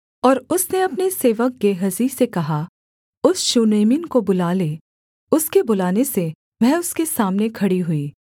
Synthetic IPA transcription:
ɔːɾʊsneɐpneseːʋək̚ɡeːɦəzisekɐɦa | ʊsʃuːneːmɪnkobʊlaːle | ʊskebʊlaːnese | ʋɛ̃ɦʊskesaːmnekʰɐɽiɦʊiː

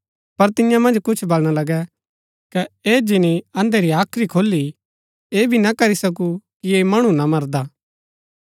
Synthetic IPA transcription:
pɐɾt̪ɪjãmɐ̃nd͡ʒkʊt͡ʃʰbɐlɽ̃alɐɡɛ | kɛeːd͡ʒɪniɐ̃nd̪eɾiaːkʰɾikʰoːlːi | eːbʱinakɐɾisɐk̬ukiemɐɽ̃ũnamɐɾd̪aː

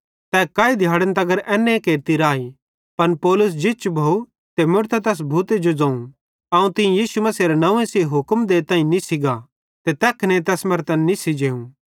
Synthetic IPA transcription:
t̪ɛːkaːid̪ʱjaːɽənt̪ɐɡəɾɛːnːẽkeːɾt̪iɾaːi | pɐnpɔːlʊs̬d͡ʒɪt͡ʃbʱoːu | t̪emʊɾt̪at̪ɛːs̬bʱuːt̪ed͡ʒod͡zɐ̃ːũ | ɐũt̪ɪ̃jiːsumɐsiɾenɐ̃ẽsiːɦʊkmd̪eːt̪ãːĩnisɪɡa | t̪et̪ɛːkʰnet̪̬ɛːsmɐɾt̪ənːisɪd͡ʒeːũ

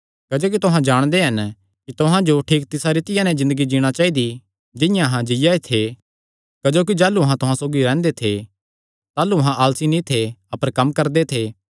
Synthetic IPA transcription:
kɐd͡ʒoːk̬it̪ʊɦãd͡ʒaːɽ̃d̪eɦɐn | kit̪ʊɦãd͡ʒoʈʰiːk̚t̪ɪsaɾit̪ɪjãnɛzɪ̃nd̪əɡid͡ʒiːɽ̃at͡ʃaːid̪i | d͡ʒɪ̃jãɐɦãd͡ʒɪjaet̪ʰe | kɐd͡ʒoːk̬id͡ʒaːluɐɦãt̪ʊɦãsoːɡiɾɛ̃ːnd̪et̪ʰe | t̪aːluɐɦãʔaːlsinĩt̪ʰeɐpəɾkɐmkɐɾd̪et̪ʰeː

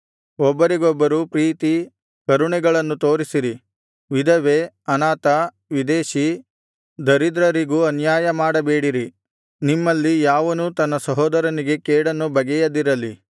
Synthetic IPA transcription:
ɔbːɐɾiɡɔbːɐɾupɾiːt̪i | kɐɾuɳɛɡɐɭɐnːut̪oːɾisiɾi | ʋid̪ʱɐʋe | ɐnaːt̪ɐ | ʋid̪eːʃi | d̪ɐɾid̪ɾɐɾiɡuːɐnjaːjɐmaːɽɐbeːɽiɾi | nimːɐlːijaːʋɐnut̪ɐnːɐsɐɦɔːd̪ɐɾɐniɡe̞keːɽɐnːubɐɡɛjɐd̪iɾɐlːi

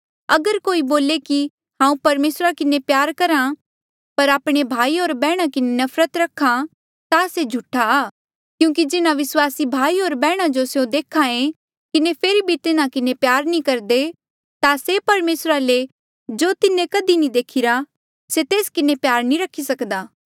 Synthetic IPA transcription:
ɐɡəɾkoːiboːleki | hãːũpɐɾmeːsɾakɪnepjaːɾkɐɾã | pɐɾaːpɽ̃ebʱaːioːɾbɛːɽ̃ãkɪnenɐfʰɾət̪ɾɐkʰːã | t̪ased͡ʒʱʊʈʰaː | kjũːk̬id͡ʒɪnãʋɪswaːsibʱaːiɦoːɾbɛːɽ̃ãd͡ʒosjõd̪eːkʰaẽ | kɪnepʰeːɾibʱit̪ɪnãkɪnepjaːɾnĩkɐɾd̪e | t̪asepɐɾmeːsɾale | d͡ʒoːt̪ɪnẽkɐd̪inĩd̪eːkʰɪɾa | set̪eːskɪnepjaːɾnĩɾɐkʰːisɐkd̪aː

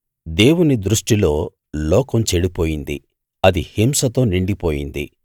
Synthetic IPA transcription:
d̪e̞ːwunid̪ɾuʂʈilo̞ː | lɔːkɐmt͡ʃeɽipo̞ːjind̪ḭ | ɐd̪ihimsɐt̪o̞ːniɳɖipoːjḭnd̪ḭ

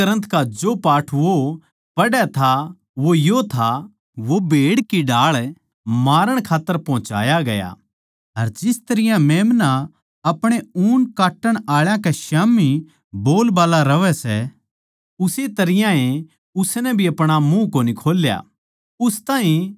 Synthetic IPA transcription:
ɐɾə̃nt̪kad͡ʒopaːʈʰʋo | pɐɽɛt̪ʰa | ʋojot̪ʰa | ʋobʱeːɽkiɖaːɭ | maːɾəɽ̃kʰaːt̪ːəɾpɐɦʊ̃t͡ʃa̰ːjaɡɐja̰ | ɐɾd͡ʒɪst̪ɐɾɪjãmeːmna | ɐpɽ̃euːnkaːʈːəɽ̃aːɭjãkɛʃaːmi | boːlbaːlaɾɐʋɛsɛ̰ | ʊset̪ɐɾɪjãẽ | ʊsnɛbʱiɐpɽ̃amũkoːnikʰoːlja̰ | ʊst̪aːĩ

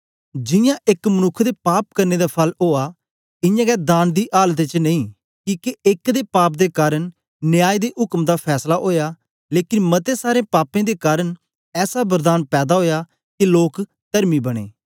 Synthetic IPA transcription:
d͡ʒɪjãːʔɪkmənʊkʰːd̪eːpaːpkəɾneːd̪aːpʰəloːaː | ɪjãːɡɛːd̪aːnd̪iːʔaːlt̪̬eːt͡ʃnəĩː | kiːkeɪkd̪eːpaːp̚d̪eːkaːɾəɳ | nɪjaːid̪eːʔɦʊkmd̪aːpʰɛːslaːʔoːjaː | leːkɪnmət̪eːsaːɾẽːpaːpẽːd̪eːkaːɾəɳ | ɛːsaːbəɾd̪aːnpɛːd̪aːɦoːjaː | kɪloːk | t̪əɾmiːbəɽ̃ḛː

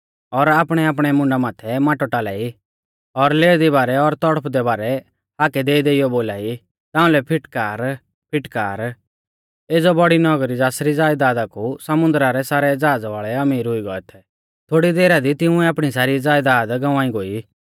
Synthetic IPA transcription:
ɔɾaːpɽ̃ɛaːp̬ɽ̃ɛmʊ̃ɳɖamaːt̪ʰɛmaːʈɔʈaːla̰ːi | ɔɾleːɾd̪ibaːɾɛɔɾt̪ɔɽəpʰd̪ɛbaːɾɛ | haːkɛd̪eːid̪eːijɔboːlaːi | t̪ãːʊ̃lɛpʰɪʈkaːɾ | pʰɪʈkaːɾ | eːd͡zɔbɔɽinɔɡɾid͡zaːsɾid͡zaːjd̪aːd̪akusɐmʊ̃nd̪ɾaɾɛsaːɾɛd͡zaːd͡zʋaːɭɛɐmiːɾɦʊiɡɔɛt̪ʰɛ | t̪ʰoːɽid̪eːɾad̪it̪ɪʊ̃ɛaːpɽ̃isaːɾid͡zaːjd̪aːd̪ɡɐʋãːiɡoːi

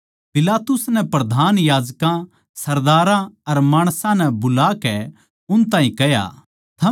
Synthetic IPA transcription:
pɪlaːt̪ʊsnɛpɾɐd̪ʱaːnjaːd͡ʒkã | sɐɾd̪aːɾãɐɾmaːɽ̃sãnɛbʊlaːkɛ | ʊnt̪̬ãːɦĩkɛja̰ | t̪ʰɐ

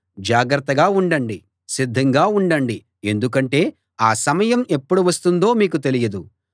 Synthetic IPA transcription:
d͡ʒaːɡɾɐt̪ːɐɡaːuɳɖɐɳɖi | sid̪ʱːɐŋɡaːuɳɖɐɳɖi | e̞nd̪uk̬ɐɳʈe̞ː | aːsɐmɐjɐme̞pːuɽuʋɐst̪und̪o̞ːmiːkut̪elijɐd̪u

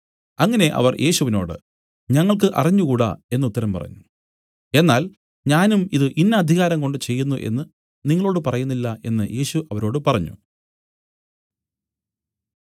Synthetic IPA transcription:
ɐŋːɐne̞ʔɐ̰ʋɐrjʔe̞ːɕuʋino̞̰ːɽɨ̰ | ɲɐŋːɐɭk̬ɨʔɐ̰riɲːukuːɽɐ̰e̞nːut̪ːɐɾɐmpɐ̰rɐ̰ɲːu | e̞nːaːl | ɲaːnumiðɨʔinːɐːd̪ʱiɣaːɾɐŋko̞ɳɖɨt͡ɕe̞jːunːuʔe̞̰nːɨ | niŋːɐɭo̞ːɽɨpɐrɐjunːilːɐe̞nːɨje̞ːɕuʔɐʋɐɾo̞ːɽɨpɐrɐɲːṵ

